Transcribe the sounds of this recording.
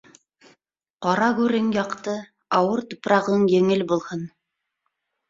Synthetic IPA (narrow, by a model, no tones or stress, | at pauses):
qɑɾɑɡʉɾɘŋjɑqt̪ɤ | ɑwɤɾt̪ŏpɾɑʁɤɴjɘ̆ŋɘlbulˠhɤn